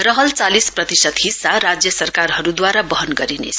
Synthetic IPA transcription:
rʌɦʌlt͡salisprʌt̪isʌd̪ɦisːaɾad͡zjʌsʌrkarɦʌɾud̪waɾabʌɦʌnɡʌɾinḛt͡sʰʌ

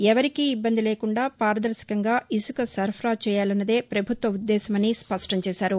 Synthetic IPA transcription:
ɛʋɐɾikiːbːɐnd̪ileːkuɳɖaːpaːɾɐd̪ɐɾsi̥kɐŋɡaːʔisukɐsɐɾpʰɾaːt͡ʃɛːjaːlɐnːɐd̪e̞ːpɾɐbʱut̪ʋɐud̪ːɛːsɐmɐnispɐʂʈɐɲt͡ʃɛːsaːɾu

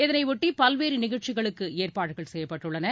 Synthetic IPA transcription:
ɪðɐnɐɪʋʊʈːipɐlʋeːɾinɪɣɐɻʈt͡ʃɪɣɐɭɯkːɯeːrpaːɽɯɣɐɭsɛjːɐpːɐʈːɯɭːɐnɐ

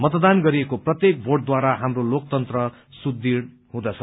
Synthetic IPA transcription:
mʌt̪̬d̪anɡʌɾiekoprʌt̪jek̚bʱoʈ̚d̪waɾaɦamrolok̚t̪ʌnt̪rʌ | sud̪iɽ | ɦũd̪ʌt͡sʰʌ

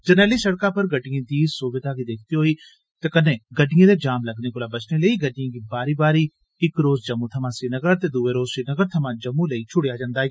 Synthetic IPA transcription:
d͡ʒɐnɛːlisɐɽkapɐɾɡɐɖijẽd̪iːsobɪd̪aɡid̪eːkʰt̪iɦoːi | t̪ekɐnẽɡɐɖɪjẽːled͡ʒaːmlɐɡnekoːlabɐt͡ʃneleiɡɐɖijãɡiːbaːɾibaːɾi | ɪkɾoːzd͡ʒɐmːũt̪ʰɐmãsinɐɡəɾt̪ed̪uːeɾoːzsinəɡəɾt̪ʰɐmãd͡ʒɐmːũleit͡ʃʰʊɽjad͡ʒãːnd̪aː

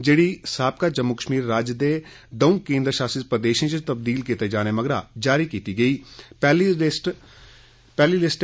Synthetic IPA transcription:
d͡ʒeːɽiːsaːp̚kaːd͡ʒəmːʊkəʃmiːɾːaːd͡ʒd̪eː | d̪əũːkẽːnd̪ɾəʃaːsispɾəd̪eːʃẽt͡ʃɪt̪əb̚d̪iːlkit̪ed͡ʒaːneməɡɾa̰ːd͡ʒaːɾiːkiːt̪iːɡəiːpɛːlsʈ | pɛːliːlɪsʈ

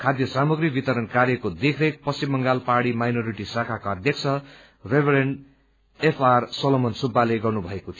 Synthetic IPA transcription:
kʰad̪jʌsamuɡribit̪ʌɾʌnkaɾjʌkod̪ekʰɾʌk̚pʌsimːʌŋɡalpaɽimajnoɾiʈisakʰakaʌd̪jʌk̚t͡sʰʌ | rebeɾeɳɖ | epʰarsʌlomʌnsubːaleɡʌrnubʱʌekot̪ʰio

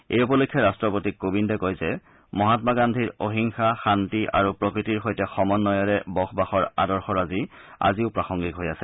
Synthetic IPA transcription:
ḛjupɔlokʰːjɔɹastɹɔpotikːobindɔkojzɛ | mɔɦatmaɡandʱiɹoɦiŋxaxantiʔa̰ɹupɹokɹitiɹxojtɛxɔmɔnːɔjɔɹɛbɔxʰbaxɔɹa̰dɔɹxɔɹazi | a̰ziʊpɹaxɔŋɡikɦojasɛ

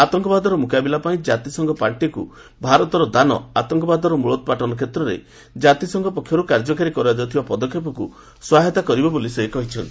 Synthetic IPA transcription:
at̪ɔŋkɔbad̪ɔɾɔmukabilapaĩd͡ʒat̪isɔŋɡɔpaɭʈikṵ | bʱaɾɔt̪ɔɾɔd̪anɔat̪ɔŋkɔbad̪ɔɾɔmuɭɔt̪̚paʈɔnɔkʰet̪ɾɔɾḛ | d͡ʒat̪isɔŋɡɔpɔkʰjɔɾukaɾd͡ʒɔkaɾikɔɾad͡ʒ̪ɔt̪ʰibapɔd̪ɔkʰːjep̬ɔku | swaɦet̪akɔɾibɔbolisekɔɦit͡ʃʰɔnt̪i̥

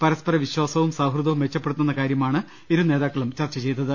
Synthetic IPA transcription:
pɐɾɐspɐɾɐʋiɕwaːsɐʋumsaːbʱruðɐʋumʋet͡ɕːɐpːeɽut̪ːunːɐkaːɾjɐmaːɳɨ | eɾune̞ːðaːkːɐɭumt͡ɕɐrt͡ɕːɐt͡ɕe̞jt̪ːɐðɨ

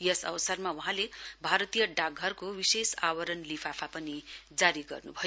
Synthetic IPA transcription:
jʌsʌwsʌrmauɦãlebʱaɾʌt̪ijʌɖaɡʱʌrkowisesawʌɾʌnlipʰapʰapʌnid͡zaɾiɡʌ̰rnubʱʌ

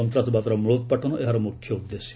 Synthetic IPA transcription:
ɔnt̪ɾat̪bat̪ɔɾɔmuɭot̪̚paʈʰɔnɔʔeɦaɾɔmukkʰjɔud̪ːesi̥

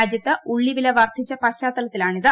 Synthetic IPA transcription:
d͡ʑjɐt̪ːɨuɭːiʋileʋɐrt̪it͡ɕːɐpɐɕaːt̪ːɐlɐt̪ːilaːɳiðɨ

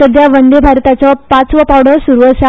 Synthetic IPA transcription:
əd̪ʱjaʋənd̪ebʱaɾt̪at͡sɔpat͡sʋəpawɽəsuɾuʋəɕa

